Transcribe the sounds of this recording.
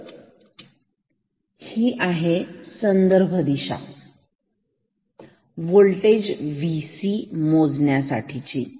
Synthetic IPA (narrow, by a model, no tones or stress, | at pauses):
hiːʔaɦesənd̪əɾbʱəd̪iɕa̰ | ʋoɭʈed͡ʑʋisimod͡zɳjasa̰ʈʰit͡ɕiː